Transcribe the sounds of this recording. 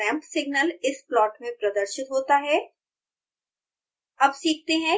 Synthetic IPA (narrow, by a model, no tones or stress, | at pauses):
ɛ̃ːmpsɪɡnəlɪsplɔːʈmẽpɾɐd̪əɾʃɪt̪ɦoːt̪aɦɛː | ɐbsiːk̚ʰt̪eɦɛ̃